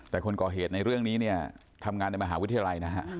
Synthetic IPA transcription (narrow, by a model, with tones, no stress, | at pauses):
t̪ɛː˨˩kʰo˧nkɔː˨˩ɦeː˨˩t̪̚na˧jɾɯ˥˩əŋniː˦˥ni˥˩ɐ | t̪ʰa˧mŋaː˧nːa˧jma˧ɦaː˩˦wt̪ʰa˧ja˧la˧jna˦˥kʰa˦˥ʔ